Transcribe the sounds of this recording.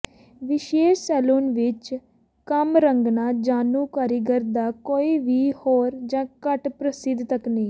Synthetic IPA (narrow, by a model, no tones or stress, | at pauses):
ʋɪʃeːʃsɛːloːnʋɪt͡ʃ | kəmɾəŋɡnaːd͡ʒaːnũːkaːɾəɡəɾd̪aːkoːiːʋiːhoːɾd͡ʒãːkəʈpɾəsɪd̪ʱt̪əkniː